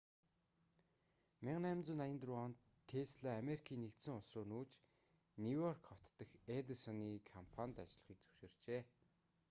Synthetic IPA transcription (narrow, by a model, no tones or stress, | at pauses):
mɪʁnæːmt͡sʊːnajə̆nt̪rʊɔn | t̪ʰːeːsɮaːmeɾikʰiːnːekt̪sɘ̆ŋʊsroːnuːt͡ɕ | nuwjɔrkɔw̥ʰt̪ːə̆xet̪əsɔniːkʰɔmpʰant̪at͡ɕɮə̆χiːk̚t͡sɵ̥wʃoːr̥t͡ɕeː